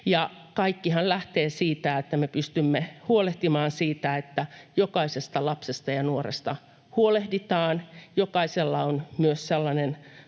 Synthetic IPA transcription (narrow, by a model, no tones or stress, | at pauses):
jɑ | kɑikːihɑllæht̪eːsiːt̪æet̪ːæmepyst̪ymːehuoleht̪imɑːnsiːt̪æet̪ːæjokɑisest̪ɑlɑpsest̪ɑjɑnuorḛst̪ɑ | huolehdit̪ɑːnjokɑiselːɑonmyøsselːɑnen